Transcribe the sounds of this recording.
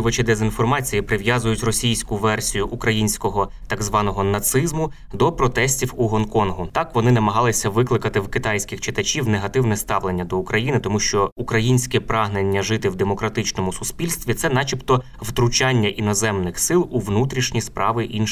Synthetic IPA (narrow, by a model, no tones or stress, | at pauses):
ʋɐt͡ʃɪd̪ezʲinfɔrmɑt͡sʲijipɾɪʋjazʊjʊtʲrɔsʲijsʲkʊʋɛrsʲijʊʔukɾɐjinʲsʲkɔɦɔt̪ɑɡzʋɑnɔɦɔnɐt̪sɪzmʊ | d̪ɔpɾɔt̪ɛsʲtʲiwuɦɔnkɔnɦʊt̪ɑkʋɔnɪnɐmɐɦɑlˠɪsʲɐʋɪklˠɪkɐt̪ɪwkɪt̪ɑjsʲkʲɪxt͡ʃɪt̪ɐt͡ʃʲiwneɦɐt̪ɪwnɛst̪ɑʋlenʲːɐd̪ɔukɾɐjinɪt̪ɔmuʃt͡ʃɔukɾɐjinʲsʲkɛpɾɑɦnenʲːɐʒɪt̪ɪwd̪emɔkɾɐt̪ɪt͡ʃnɔmʊsʊspʲilʲst̪ʋʲit̪sɛn̪ɑt͡ʃʲipt̪ɔ | wt̪ɾʊt͡ʃɑnʲːɐʔinɔzɛmnɪxsɪlˠuʋnut̪ɾʲiʃnʲispɾʔɑʋɪʔinʃ